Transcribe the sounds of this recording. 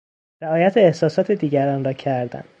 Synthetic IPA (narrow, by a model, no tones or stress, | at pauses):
ɾæɒːjæt̪ʰeːhsɒːsɒːt̪ʰed̪iːɟæɾɒːnɾɒːcʰæɾd̪æ̰nd̪̥